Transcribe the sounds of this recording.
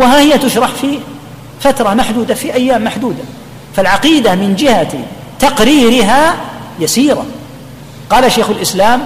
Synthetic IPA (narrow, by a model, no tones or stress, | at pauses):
wɪɦaːhɪjːat̪ʊʃɾˤɑħfiː | fat̪ɾˤɑmaħd̪uːd̪afiʔajːaːmːaħd̪uːd̪a | falʕɑqiːd̪amɪnd͡ʒɪha | t̪ɑqɾiːɾɪɦaːjasiːɾˤa̰ | qɑːlaʃaːxʊlʔɪslaːm